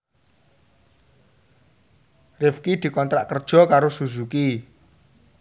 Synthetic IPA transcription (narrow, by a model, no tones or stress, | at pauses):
rɪfkid̪̥i̤kɔnt̪ɾaʔkərd̥ʒ̥ɔ̤kaɾosuzuki